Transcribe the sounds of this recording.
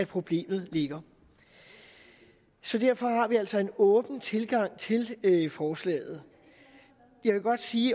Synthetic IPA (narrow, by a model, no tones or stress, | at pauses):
æpʰʁo̝b̥le̝̰ːmð̞̩ˠle̝ɡ̥ɐ | sɒ̽d̥æɐ̰fɒ̽hɑ̈ʋiæl̰sɒ̽e̝nɔ̽ːb̥n̩t͡sʰe̝lɡ̥ɑ̈ŋ̰t͡sʰe̝lfɒːslɛ̰ːð̞̩ˠ | jɑ̈ɪʋe̝ɡ̥ɒ̽d̥siː